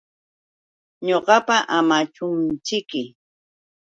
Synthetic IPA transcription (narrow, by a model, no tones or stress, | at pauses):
ɲoɢɑpaʔamat͡ʃʊnt͡ʃɪkɪ